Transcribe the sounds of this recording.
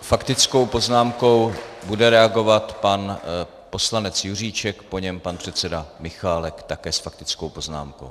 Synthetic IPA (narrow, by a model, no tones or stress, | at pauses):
fakt̪ɪt͡sko̞wpo̞znaːmko̞wbudɛɾɛaɡo̞vat̪pan | po̞slanɛt͡sjur̝iːt͡ʃɛkpo̞ɲɛmpanpr̝̥ɛt̪t͡sɛdamɪxaːlɛkt̪akɛːsfak̚t̪ɪt͡skowpo̞zna̰ːmko̞̰w